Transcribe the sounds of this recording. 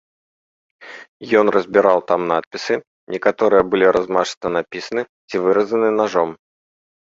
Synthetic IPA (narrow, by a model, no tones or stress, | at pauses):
jɔnrəzʲbʲɪɾalˠt̪amnat̪̚pʲisɨ | nʲɛkat̪ɔɾɨjəbɨlʲiɾʔazmaʐɨ̥t̪ɐnapʲisɐnɨ | t͡sʲivɨɾɐzɐnɨnaʐɔm